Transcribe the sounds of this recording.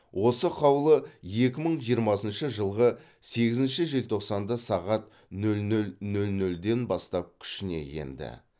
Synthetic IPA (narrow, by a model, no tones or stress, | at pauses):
wo̞səqʰɑwlˠəje̞kʲɪməɴʒijəɾmɑsənʃəʒəlˠʁə | se̞ɡʲɪzɪnʃɪʒelt̪ʰo̞qsɑnd̪ɑsɑʁɑt̪ | nɵlnɵlnɵlnɵld̪e̞nbɑst̪ɑp̚kʲʰʏ̥ʃɪne̞̰je̞̰nd̪ɪ̰